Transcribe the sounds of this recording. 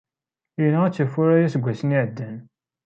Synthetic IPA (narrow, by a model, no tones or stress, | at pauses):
inææt͡sːəfʊɾæjæsɡʷæsəniʕəd̪ːən